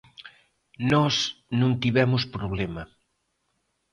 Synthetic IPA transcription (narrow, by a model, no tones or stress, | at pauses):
nɔsnũnt̪iβɛmʊspɾoβlemɐ